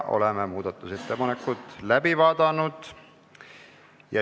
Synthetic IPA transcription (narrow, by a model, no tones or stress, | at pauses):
ʔo̞̰lememuːd̪̥ɑt̪ːˑuset̪ːepɑnekːˑut̪ˑlæbivɑːd̪̥ɑnud̪̥ | jɑ